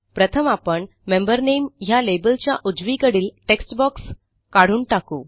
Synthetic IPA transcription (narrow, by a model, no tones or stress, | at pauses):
pɾət̪ʰəmapəɳ | membəɾnemjalebəlt͡ɕjaʔud͡zʋikəɽiːlʈeksʈbɔks | kaɽ̤uːɳʈakuː